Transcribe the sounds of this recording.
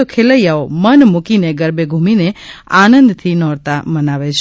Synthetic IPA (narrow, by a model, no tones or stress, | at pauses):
okʰeləjaomənmukineɡəɾbeɡʱumineanə̃nd̪t̪ʰinɔɾt̪amənaʋet͡ʃʰ